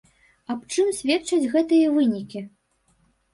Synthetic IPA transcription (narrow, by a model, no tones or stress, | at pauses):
ɐpt͡ʂɨmsʲvʲɛt̪t͡ʂɐd͡zʲɣɛt̪ɨjɐvɨnʲikʲi